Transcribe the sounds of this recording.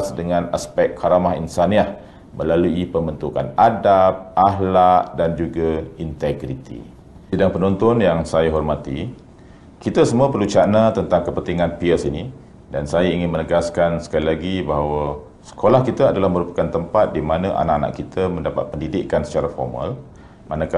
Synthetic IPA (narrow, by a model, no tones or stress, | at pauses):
sdəŋãna̰spɛk̚kʰaɾamaɦinsaniah | məlaluipəmbənt̪ukanadap̚ʔaɦlaʔdand͡ʒuɡaint̪ɛɡɾit̪ḭ | idaŋpənɔnt̪ɔnjaŋsajaɦɔrmat̪i | kit̪asəmuapəlut͡ʃaʔnat̪ənt̪aŋkəpənt̪iŋãnpiəsini | dansajaiŋɪnmənəɡaskansə̥kalilaɡibaɦawa | sə̥kʰolahkit̪aadalahməɾupḁkant̪əmpat̪̚dimanaʔa̰naʔana̰ʔkit̪ʰəməndapa̰t̪̚pəndidɪkːansə̥t͡ʃaɾafɔ̰rma̰l | manaka